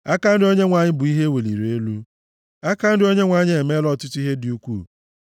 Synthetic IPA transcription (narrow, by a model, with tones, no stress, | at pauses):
a˦ka˦n̩˦dɪ˦o˦ɲe˦ŋʷa˨ɲɪ˦bʊ˨i˦ɦe˦we˨lḭ˨ɾe˦lu˦ | a˦ka˦n̩˦dɪ˦o˦ɲe˦ŋʷa˨ɲɪ˦e˨me˦lɔ˦tʊ˦tʊ˦i˦ɦe˦dɪ˨u˦kʷu˦˨